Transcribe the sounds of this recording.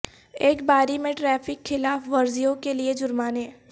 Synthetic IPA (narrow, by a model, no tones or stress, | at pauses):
eːkbaːɾimẽʈɾɛːfɪkxːɪlaːfʋɐɾzijõkelied͡ʒʊɾmaːnẽː